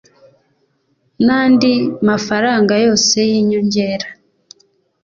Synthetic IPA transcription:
naːndimafaɾaːŋɡajo̞ːse̞jiːɲoɲɟe̞ːɾa

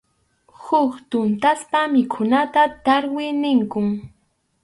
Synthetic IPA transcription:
hʊkt̪ʊnt̪aspamɪkʰʊnat̪at̪aɾwɪnɪŋkʊŋ

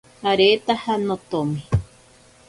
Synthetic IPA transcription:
aɾet̪ahanot̪omi

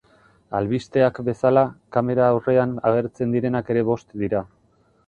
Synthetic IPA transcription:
alβist̪e̞akbe̞salakame̞ɾaːwre̞anaɣ̞e̞ɾt͡se̞nd̪iɾe̞nake̞ɾe̞βo̞st̪d̪iɾa

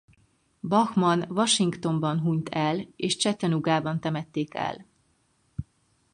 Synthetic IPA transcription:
bɒxmɒnvɒʃiŋkt̪o̞mbɒnɦuɲt̪ʰɛleːʃt͡ʃɛt̪ːɛnuɡaːbɒnt̪ɛmɛt̪ːeːkɛ̰l

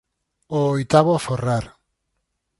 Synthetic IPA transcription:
oːjt̪aβoaforaɾ

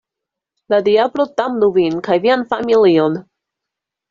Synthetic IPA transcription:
lad̪iablot̪amd̪uvinkajvianfamilion

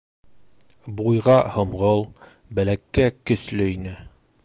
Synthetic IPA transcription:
bujʁɑhŏmʁɤlˠ | bælækːækɵ̆slɵinɘ

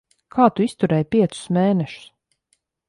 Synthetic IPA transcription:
kʰaːt̪uist̪uɾɛːjpʲiɛt̪sʊ̥smeːnɛʃʊ̥s

